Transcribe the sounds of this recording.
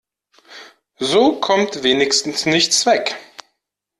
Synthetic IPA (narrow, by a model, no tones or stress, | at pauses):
zoːkʰɔmtv̥eːnɪçstn̩snɪçv̥ɛk